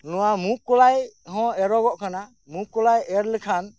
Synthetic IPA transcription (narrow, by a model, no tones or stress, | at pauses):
nɔwamukːɔlajhɔ̃ɛɾɔɡɔʔkʰana | mukːɔlajɛɾlɛkʰan